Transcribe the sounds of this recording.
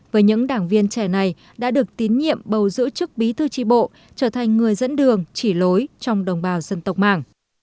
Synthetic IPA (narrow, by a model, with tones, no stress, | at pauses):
vəː˨˦jɲɨ̰˧˥ŋɗaː˧˩ŋvi˧ənt͡ɕɛ˧˩na˨˩j | ɗa̰ː˧˥ɗɨ˨˩ək̚t̪i˨˦nɲḭ˧˨əmɓə˨˩wzɨ̰˧˥t͡ɕɨ˦˥k̚ɓi˨˦t̪ʰɨ˧t͡ɕi˧˩ɓo̰˧˨ | t͡ɕəː˧˩t̪ʰa˨˩ŋ̟ŋɨ˨˩əjzə̰˧˥nɗɨ˨˩əŋt͡ɕi˧˩lo˨˦jt͡ɕɔ˧wŋ͡mɗə˨˩wŋ͡mɓaː˨˩wzə˧nt̪ə˨˩wk͡p̚ma̰ː˧˩ŋ